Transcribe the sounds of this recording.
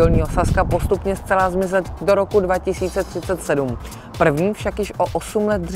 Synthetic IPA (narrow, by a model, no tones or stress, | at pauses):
olɲiːɦosaskapo̞st̪upɲɛst͡sɛlazmɪzɛt̪do̞ɾo̞kudvacɪsiːt͡sɛt̪r̝̥ɪt͡sɛt̪sɛdum | pr̩vɲiːfʃakjɪʃʔoʔosumlɛt̪̚dr